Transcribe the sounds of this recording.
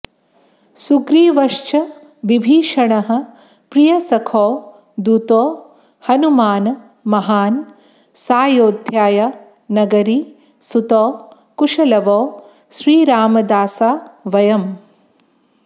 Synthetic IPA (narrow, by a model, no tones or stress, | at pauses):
sukɾiːʋɐʂt͡ʃɐ | ʋibʱiːʃɐɳɐɦɐ̆ | pɾijɐsɐkʰɔː | d̪ut̪ɔː | hɐnumaːnɐ | mɐɦaːn | saːjoːd̪ʱjaːjɐ | nɐɡɐɾi | sut̪ɔː | kuʂɐlɐʋɔː | ʃɾiːɾaːmɐd̪aːsaːʋɐjɐm